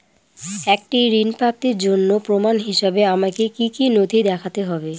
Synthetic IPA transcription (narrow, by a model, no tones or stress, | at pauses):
ɛk̚ʈiɾinpɾap̚t̪iɾd͡ʑonːopɾomanɦiʃabeamakekikinod̪ʱid̪ɛkʰat̪eɦɔbe